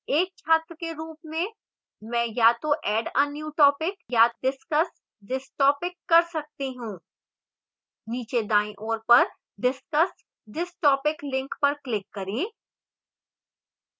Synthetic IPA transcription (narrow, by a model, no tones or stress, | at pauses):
eːk̚t͡ʃʰaːt̪ɾəkeɾuːpmẽ | mɛ̃ːjaːt̪oʔɛːɖɐ̃njuːʈɔːpɪkjadɪskəs | ɖɪsʈɔːpɪkːɐɾsɐk̚t̪eɦũː | niːt͡ʃed̪aːĩʔoːɾpɐɾ | ɖɪskəs | ɖɪsʈɔːpɪklɪ̃ŋkpɐɾklɪkːɐɾẽː